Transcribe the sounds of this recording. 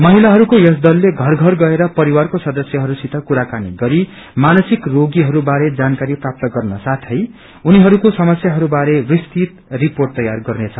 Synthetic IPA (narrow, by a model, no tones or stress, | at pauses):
mʌɦilaɦʌɾukojʌsd̪ʌlːeɡʱʌrɡʱʌrɡʌeɾʌpʌɾiwarkosʌd̪ʌsjʌɦʌɾusit̪akuɾakaniɡʌɾi | manʌsikroɡiɦʌɾubaɾed͡zankaɾiprap̚t̪ʌɡʌrnʌsat̪ʰʌj | uniɦʌɾukosʌmʌsjaɦʌɾubaɾebist̪it̪riporʈ̚t̪ʌjarɡʌrnet͡sʰʌ